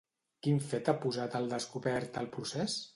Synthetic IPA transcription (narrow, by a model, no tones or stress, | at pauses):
kiɱfɛt̪apuzat̪əlˠd̪əskuβɛɾt̪əlˠpɾusɛs